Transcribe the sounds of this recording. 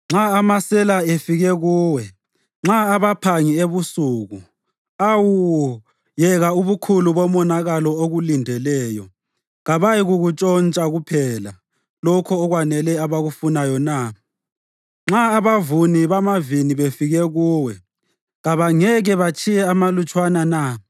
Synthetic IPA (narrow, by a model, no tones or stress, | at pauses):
ŋ͡ǁaamasɛlaefiɣɛɣuːwɛ | ŋ͡ǁaaβapʰaŋieβusuɣu | awu | jɛɣauβukʰuluβɔmɔnaɣalɔoɣulindʱɛlɛːjɔ | ɣaβajiɣuɣut͡ʃʼɔnt͡ʃʼaɣupʰɛla | lɔkʰɔːɣwanɛlɛaβaɣufunajɔna | ŋ͡ǁaːβavuniβamaviniβefiɣɛɣuːwɛ | ɣaβaŋɛɣɛβat͡ʃʰʼijɛamalut͡ʃʼwanana